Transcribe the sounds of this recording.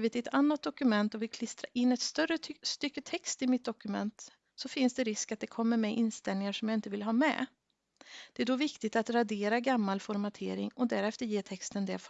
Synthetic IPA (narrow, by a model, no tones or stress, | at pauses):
vɪd̪ɪt̪ʰanːat̪̚d̪ɔkɵmɛnt̪ɔvɪlkʰlɪst̪ɾa̰ʔɪnːɛt̪st̪œrəst̪ʏkːət̪ʰɛkst̪ɪmɪt̪̚d̪ɔkɵmɛ̰nt̪ | sɔfɪnsd̪ɛɾɪskat̪̚d̪ɛkʰɔmːəɾmɛʔɪnst̪ɛlnɪŋaʂɔmjaɪnt̪əvɪlɦɑːmɛ̰ | d̪̥ɛæɖɔvɪkt̪ɪt̪at̪ɾad̪eːɾaɡamːalfɔɾmat̪ʰḛːɾɪ̰ŋɔd̪æɾɛft̪əɾjeːt̪ʰɛkst̪ənd̪ɛf